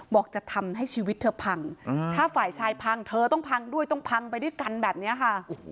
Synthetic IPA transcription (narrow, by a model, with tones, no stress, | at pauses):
bɔː˨˩k̚t͡ɕa˨˩t̪ʰa˧mɦa˥˩jt͡ɕʰiː˧wi˦˥t̪̚ʰːɤː˧pʰa˧ŋt̪ʰaː˥˩faː˨˩jt͡ɕʰaː˧jpʰa˧ŋt̪ʰɤː˧t̪ɔ˥˩ŋpʰa˧ŋdu˥˩əjt̪ɔ˥˩ŋpʰa˧ŋpa˧jdu˥˩ə˨jka˧nbɛː˨˩p̚ni˦˥ɐkʰa˥˩˨